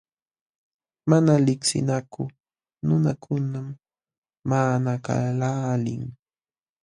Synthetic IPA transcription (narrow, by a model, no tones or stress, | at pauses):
manalɪksɪ̰nakʊ | nʊnakʰʊnamː | aːnaka̰laːlɪŋ